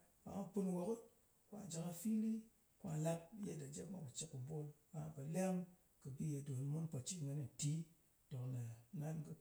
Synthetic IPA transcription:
kʷa̰˨ŋa˦pɨ˦nwo˨ku˦t̚ | kʷa̰˨d͡ʒa˨ka˧fi˦li˦ | kʷa˨la˦p̚je˦da˨d͡ʒe˦kma˦ka˨t͡ʃi˨kːu˨bo˦lka˨ŋa˨ka˨la˦m | kə˨bi˦je˨du˨n˦mo˦npa˨t͡ʃi˦˨ŋə˨ni˨ti˦ | do˨kne˨na˦nkɨ˦

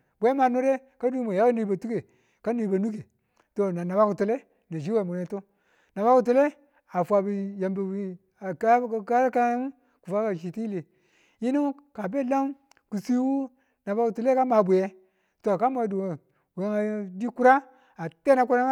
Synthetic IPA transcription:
be˨e˦ma˨nu˦ɾe˦ | ka˦du˦mo˨ja˦a˦ni˨˦ba˨tu˦ke˨ | ka˦ni˨˦ba˨nu˦ke˨ | to˨na˨na˨ba˦ku˨tu˨le˦ | na˨d͡ʒi˦we˨mu˨ne˨to˦ | na˨ba˦ku˨t̬u˦le˦ | a˨fʷa˨bi˨ja˨mbe˨wi˦˨˦ | ka˦ɾka˦m˦ | ku˨fa˦ka˨ʃi˨ti˦le˨ | ji˦nu˦ka˨be˦˨la˦m | ku˨si˦wu˦ | na˨ba˦ku˨tu˨le˦ka˦ma˨bʷe˨je˦ | to˨ka˦ma˨du˨mo˨ | we˨˦ŋa˨˦di˦ku˦ɾa˦ | a˨te˦na˦ku˦ɾa˦a˦

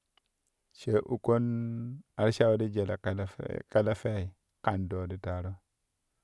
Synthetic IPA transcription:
ʃe˨ʔu˨ko˦n | a˨ɾʃa˦wu˦di˦d͡ʒe˨la̰˨˦ka˦la˦fe˦i˨ | ka˨ndo˨di˦ta˨ɾo˦

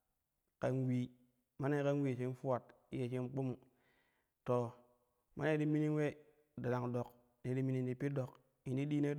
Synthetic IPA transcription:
ka˨nwi˨ | ma˦ne˦ka˦n˦wi˨si˦n˦fu˦wa˨t | i˦je˨si˦m˦k͡pu˦mu˨ | to˨ | ma̰˦ne˦di˦mi˦ni˦nwe˦ | da˨la˨ŋdo˨k | ne˨˦di˦mi˦ni˦n˦i˨pi˦do˨k | i˨ndi˦di˦ne˦

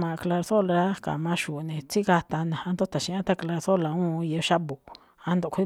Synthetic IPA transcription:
mã˧kla˧ɾθo˦la˧ɾa˦ka̰˨mã˧˦ʃu˨ʔnẽ˨t͡si˦ɣa˧t̪a˧nẽ˨a˧nd̪o˦t̪a˨ʃĩ˧˦ã˦t̪a˦kla˧ɾθo˦la˨ũː˦˧je˧ʃa˦bu˨ʔ | a˧nd̪o˧˨kʷi˦

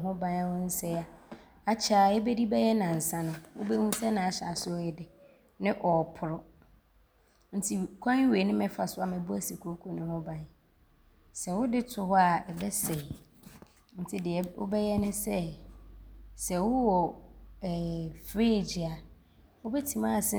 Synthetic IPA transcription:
ɦʊ̃˦bã˨n˦a˦wʊ̃˦n̩˦sɛ˦a˨ | a˨t͡ɕʰa˨ɛ˦bɛ˦di˦bɛ˦jɛ˦nã˨n̩˨sã˦nʊ̃˨wʊ̰˦be˦hũ˦sɛ˦nã˨a˨ɕa˨sʊ˦ɔ˦jɪ˦dɪ˨ | nɪ̃˦ʔɔ˨pʰʊ˨ɾʊ˦ | n̩˦tʰi˦kʷʰã˦we˨nɪ̃˦mɛ˨fa˨sʊ˦a˨mɛ̃˨bʊ˦æ˦si˨kʰo˦kʰo˨nʊ̃˨hʊ̃˦bã˨n | sɛ˨wʊ˦dɪ˦tʰʊ˨hʊ˦a˦˨ɛ˨bɛ˦se˨ | n̩˦tʰɪ˦dɪ˨ɛ˨ʊ̰˦bɛ˦jɛ˦nʊ̃˦sɛ˦ | sɛ˨wʊ˦wɔː˨ | fɾeː˦˨d͡ʑi˨a˨ | wʊ˦bɛ˦tʰĩ˨mãː˦˨sɪ˦

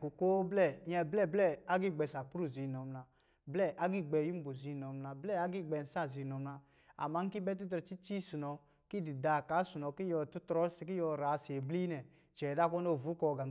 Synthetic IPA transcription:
ku˨ko˦blɛ˦˨jɛ˧blɛ˦˨blɛ˦˨a˦ɡi˦˨ɡ͡bɛ˧˨sa˨pu˦ɾu˦˨zi˨nɔ˨mna˨˧ | blɛ˦˨ʔa˦ɡi˦˨ɡ͡bɛ˨ju˦m̩˦bo˨zi˧˨nɔ˨mla˧blɛ˦˨a˦ɡi˦˨ɡ͡bɛ˧˨n̩˨sa˦˨zi˨˧˨nɔ˨mla˧ | a̰˨ma˦ŋ̩˦ki˦bɛ˦t̬i˦tɾɔ˨t͡ʃi˦t͡ʃi˦su˨nɔ˧ | ki˦˨di˨da˨ka˨˦su˨nɔ˨ki˦jɔ˧˨tu˦tɾɔ˦si˧ki˦jɔ˧˨ɾa˨se˨bli˦nɛ˨ | t͡ʃɛ˨da˦˨kɔ˦no˦˨vu˨˦kɔ˧˨ɡa˨˦

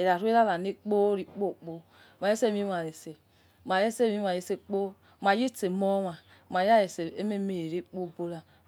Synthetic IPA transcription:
e˨ɾa˨ɾu˦e˦a˦la˨ne˦k͡po˦ɾi˨k͡po˦˨k͡po˦ | ma˨je˦se˦˨mi˦a˨ɾe˨se˨ | ma˨ɾe˦se˦˨mi˦a˨je˦se˦k͡po˦ | m˨a˨ji˦te˨mo˦ma˨ | ma˨ja˦je˨se˨e˦me˦me˨je˨ɾe˦k͡po˦˨bo˦la˨

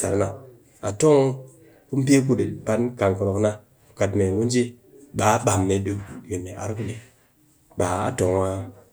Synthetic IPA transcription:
sa̰˨ɾna˨ | a˨to˦ŋ | ku˦m˦pe˦k̬u˦di˨pa˦nka˨ŋko˨no˨kna˦ | u˨ka˨tme˨mu˦n˦d͡ʒi˦ | ɓa˨˦ɓa˨mne˨ɗu˦˨ji˨nːe˨ʔa̰˨ɾku˦ɗi˦ | ɓa˨a̰˦to˨ŋwa˦

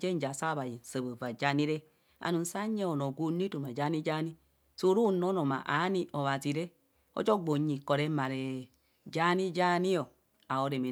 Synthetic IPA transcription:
d͡ʒɛ˦n̩˦d͡ʒa˨sa˦˨βa˨ji˨n˨sə˨bo˨va˨d͡ʒa˧˦ni˦ɾɛ˦ | a̰˨nu˨n̩˦sa˦ɲɛ˦o˨no˨ɡu˧n˦i˦to˨ma˨d͡ʒa˦ni˦d͡ʒa˦ni˦ | so˨˦ɾu˦˨nɔ˨˦nɔ˨ma̰˨ʔa̰˨˦ni˧ʔɔ˨βa˨zi˨ɾɛ˦ | ɔ̰˦d͡ʒɔ˦ɡ͡bo˨ɲi˨kɔ˨ɾɛ˧˦ma˨ɾɛ˨ | d͡ʒa˦ni˦d͡ʒa˦ni˦ɔ˨ | a˨o˨˧ɾɛ˨mi˨

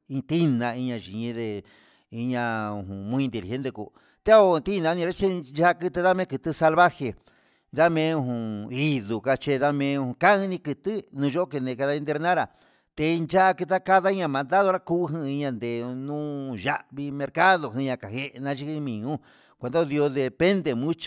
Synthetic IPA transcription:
ĩ˧t̪i˦nã˧i˧ɲã˧ʒi˨ɲĩ˧˦ðe˧ | i˧ɲã˧ũ˧˨ɦũ˨mĩ˦˧nd̪i˧˨ɾi˨e˦nd̪e˧kṵ˧ | t̪e˦o˧˨t̪i˦˧nã˧˦nĩ˧ɾa˦t͡ʃe˦nd͡ʒa˦a˦˧kɨ˧t̪ɨ˧ða˦mẽ˦kɨ˧t̪ɨ˧sa˧lβa˦xe˧˨ | ða˦mẽ˧˦ũ˧hũ˨i˦ðu˨ka˧t͡ʃe˧ða˦mẽ˧˦ũ˧ũ˧ka˦ɨ̃˦˧nĩ˧kɨ˧t̪ɨ˦nũː˧ʒo˦ʔo˦ke˧nẽ˧˨ka˧ða˧ĩ˧nd̪̬e˧ɾnã˦ɾa˨ | t̪e˧nd͡ʒa˦ʔa˧kɨ˧t̪̬a˦ka˦ða˦i˦ɲã˧mã˨nd̪a˦ðo˧ɾa˦kuː˦˧ɦĩ˧i˧ɲã˧nd̪e˨nũ˦ʒa˦βi˧mẽ˧ɾka˦ðo˧˨ɦĩ˧ɲã˧ka˨he˧ʔnã˧ʒi˧kɨ˧mĩ˨ɲũ˦ | kʷe˨d̪o˦ði˧o˧ðe˧pe˦nd̪e˧mũ˦t͡ʃi̥˧

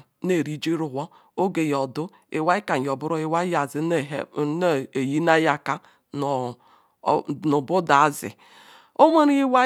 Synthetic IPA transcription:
ne˦˨ɾi˦d͡ʒi˦ɾʊ˨ɦʷɔ˦ | o˦ɡe˨jɔ˨dʊ˦ | ɪ˨wa˦i˦ka˨ɲ˨ɔ˨bʊ˦ɾɔ˦ɪ˦wa˦ja˨zɪ˨˦n˦e˨ji˦na˦ja˨ka˦˨ | nʊ˨bʊ˦da˨a˦zɪ̰˨ | o˦me˦ɾi˦i˦wa˦

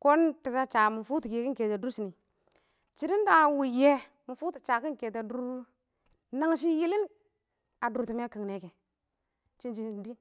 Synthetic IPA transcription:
ko˦nti˨sa˦t͡ʃa˨mu˨fu˦ti˨ke˨ki˦ke˨te˨du˦ɾsi˨ni˨ | t͡ʃi˦di˦n˦da˨wu˨je˦ | mu˨fu˦ti˨t͡ʃa˨ki˦ke˨t̬a˨du˦ɾ | na˦ŋʃ̬i˦ji˦li˦n | a˨du˨ti˨me˦ki˨ŋne˨ke˨ | t͡ʃi˦nt͡ʃi˦˨di˦

